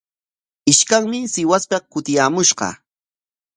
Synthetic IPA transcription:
ɪʃkaŋmɪsɪwaspekʊt̪ɪjaːmʊʃɢɑ̰

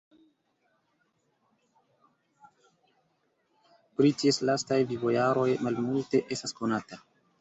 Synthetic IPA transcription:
pɾitie̞slastajvivojaɾo̞jmalmulte̞ʔe̞stasko̞nata

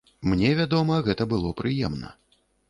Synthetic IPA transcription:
mnʲɛvʲad̪ɔmɐɣɛt̪ɐbɨlˠɔpɾɨjɛmnɐ̰

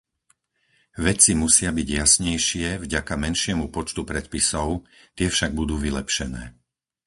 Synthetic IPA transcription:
ʋɛt͡simusɪabiɟjasɲɛjʃɪɛvɟakamɛnʃɪɛmupɔt͡ʃt̪upɾɛt̪̚pisɔʊt̪ɪɛfʃaɡ̚bud̪uːʋilɛpʃɛnɛ̰ː

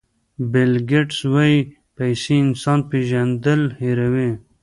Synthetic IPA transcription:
belɡeʈswai | pajsiːnsɑːnpeʒand̪əlheɾawe

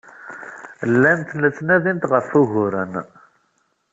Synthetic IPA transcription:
lːænt̪lət͡sːnæðint̪ʁəfuʝʊɾən

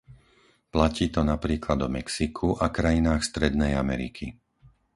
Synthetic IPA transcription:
placiːt̪ɔnapɾiːklad̪ɔmɛksikʰuʔakɾajinaːxst̪ɾɛd̪nɛjamɛ̰ɾḭkʰi

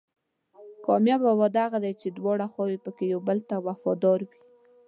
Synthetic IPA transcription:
kɑmjabawad̪aɣad̪ajt͡ʃed̪wɑɽaxwɑwepəkejawbəlt̪awafɑd̪ɑɾwi

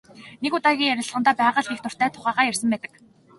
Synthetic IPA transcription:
nekʊt̪aːɣʲiːŋjæɾʲɪ̆ɮʁənt̪aːpæːʁə̆ɮxixt̪ʰʊr̥t̪æːt̪ʰʊχæːʁaːjærsə̆mpæːt̪ə̥̆k

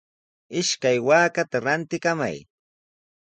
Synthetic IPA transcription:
ɪʃkajwaːkat̪aɾant̪ɪkama̰j

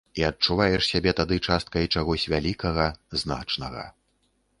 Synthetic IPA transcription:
iɐt̚t͡ʂuvajɛʂsʲabʲɛt̪ad̪ɨt͡ʂast̪̚kɐjit͡ʂaɣɔsʲvʲalʲikɐɣɐzna̰t͡ʂnɐɣɐ̰

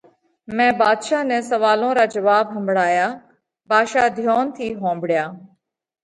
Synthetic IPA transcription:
mɛ̃ːbaːd̪ʃaːnɛ̃ːsəʋaːlõːɾaːd͡ʒəʋaːbɦəmbʱɽaːjaː | baːʃaːd̪ʱjoːnt̪ʰiːɦõːmbɽjaː

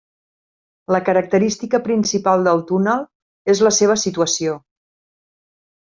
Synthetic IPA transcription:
ləkəɾək̚t̪əɾist̪ikəpɾinsipalˠd̪əlˠt̪unəlˠ | ezləseβ̞əsit̪uəsio

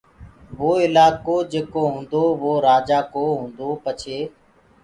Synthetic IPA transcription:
ʋoːɪlaːkoːd͡ʒeːkoːɦũːnd̪oːʋoːɾaːd͡ʒaːkoːɦũːnd̪oːpət͡ʃʰeː

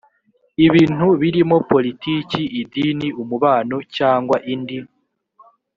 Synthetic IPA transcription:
iβiːn̥uβiɾimo̞po̞litiːciʔidiniumuβaːnocaːŋɡwaʔindim

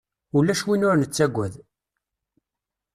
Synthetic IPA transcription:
ulːæʃwinʊɾnət͡sːæɡʷːæð

